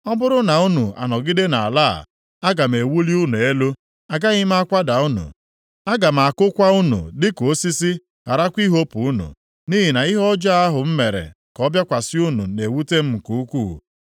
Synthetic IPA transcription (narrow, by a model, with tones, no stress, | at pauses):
ɔ˦bʊ˦ɾʊ˦na˨u˦nu˨a̰˨nɔ˨ɡɪ˦de˦na˨a̰˨la̰˦˨ | a˦ɡa˨m̩˨e˨wu˦li˦u˦nu˨e˦lo˦ | a˨ɡa˦ɣɪ˦m˦a˦kʷa˦da˨u˦nṵ˨ | a˦ɡa˨m̩˨a˨kʊ˦kʷa˦u˦nṵ˨dɪ˦ko˨o˦si˦sɪ˦ | a˨ɾa˦kʷi˦ɦo˦pu˨u˦nṵ˨ | ni˦ɦi˨na˨ɪ˦ɦɔ˦d͡ʒa˦a˦ɦʊ˨m̩˦me˨ɾḛ˨ | kɔ˦bja˦kʷa˨sɪ˦u˦nṵ˨ne˨wu˦te˦m̩˦˨ku˨u˦kʷṵː˦˨